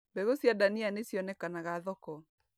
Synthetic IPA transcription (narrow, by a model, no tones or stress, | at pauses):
mbɛɣosjadanianesjɔnɛkanaɣaðɔkɔ